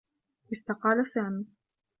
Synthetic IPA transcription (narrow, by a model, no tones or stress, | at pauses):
ʔɪst̪aqɑːlasaːmiː